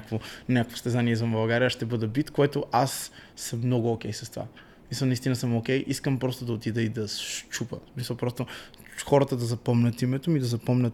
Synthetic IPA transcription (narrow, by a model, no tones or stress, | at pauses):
akvonʲakəkvo̥st̪ɛzaniɛzɐmbɐlˠɡaɾijəʃt̪ɛbɤd̪ɛbit̪koɛt̪oʔasːəmːnɔɡʊokʲɛjsɐst̪ova̰ | smisəlˠnɐist̪inəsəmokʲɛjʔiskəmpɾɔst̪ʊd̪ɐot̪id̪ɛid̪ɐsʃt͡ʃupə̰smisəlˠpɾɔst̪o | xɔɾət̪əd̪ɐzɐpɔmnʲɐt̪imɛt̪omid̪ɐzɐpɔmnʲət̪